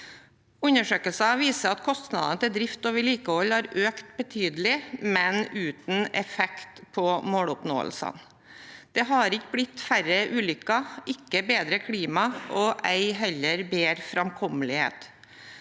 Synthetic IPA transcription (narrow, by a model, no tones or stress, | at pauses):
ʉnəʂøːkəlsɑʋiːsəɑt̪kʰɔst̪nɑ̰d̪ɑnət̪ɪld̪ɾɪft̪ɔʋɪliːkəɔlːhɑɾøːkt̪bət̪ʰyːd̪lɪmɛnʉːt̪n̩ɛfɛkt̪pʰɔmoːɽʊpno̰ːə̰lsə̰n | d̪̥ɛɦɑɾɪkːəblɪt̪ːfæɾəʔʉːlʏkːɑɪkːəbeːd̪ɾəkʰɽiːmɑʔɔʔæɪɦɛlːəɾbeːɾfɾɑmkʰɔməlɪhḛːt̪